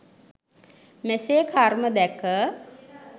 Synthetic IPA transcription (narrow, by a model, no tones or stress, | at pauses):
meseːkʰaɾməd̪ɛkə